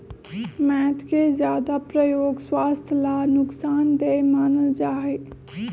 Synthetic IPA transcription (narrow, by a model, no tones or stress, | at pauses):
mɛːt̪ʰkezjaːd̪apɾəjoːɡswaːst̪ʰəlaːnʊksaːnd̪emaːnəld͡ʒaːɦe